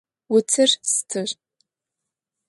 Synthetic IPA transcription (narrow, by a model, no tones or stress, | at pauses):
wʊt͡sʰɨrstʰɨr